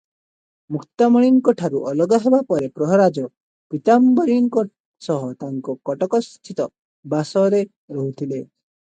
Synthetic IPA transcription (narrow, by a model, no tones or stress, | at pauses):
mukʰt̪amɔɽ̃iŋkɔʈʰaɾuʔɔlɔɡaɦebapɔɾepɾɔɦɔɾad͡ʒɔ | pit̪ambɔɾiŋkɔ | sɔɦɔt̪aŋkɔkɔʈɔkɔst̪ʰit̪ɔ | basɔɾe | ɾɔɦut̪ʰile